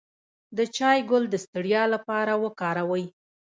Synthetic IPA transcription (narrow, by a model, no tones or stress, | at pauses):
d̪ət͡ʃɑjɡʊld̪əst̪əɽjɑlapɑɾawəkɑɾawəj